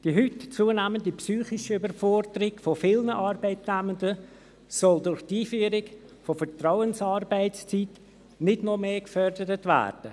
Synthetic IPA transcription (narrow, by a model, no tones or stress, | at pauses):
d̥iːɦytt͡suənæːməndipsyːχɪʃybəɾfɔɾdəɾɪɡfofɪlnəʔɑːrbɛɪtnæməndə | sɔldʊɾχtiːfyːɾɪk | fofətraʊənsɑːrbɛɪtt͡st͡sit | nɪdnɔmeːkfœrdəɾətvæ̰ːrd̥ə